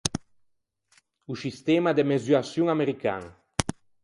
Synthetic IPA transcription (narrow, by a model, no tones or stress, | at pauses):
usist̪ɛmad̪emezyasjuŋameɾika̰ŋ